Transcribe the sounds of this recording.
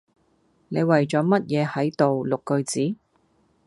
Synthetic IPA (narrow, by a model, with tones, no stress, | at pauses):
ne˨˧jwɐ˨jt͡sɔː˨˥mɐ˥t̚jɛː˨˧hɐ˨˥jt̪o˨wlʊ˨kːɵ˧ɥt͡siː˨˥